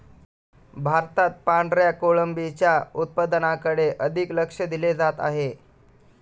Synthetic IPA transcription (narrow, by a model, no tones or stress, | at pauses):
bʱaɾt̪at̪̚paɳɖɾjakoɭəmbit͡ɕjaut̪̚pəd̪ənakəɽeʔəd̪ʱikləkʂəd̪iled͡zat̪a̰ɦe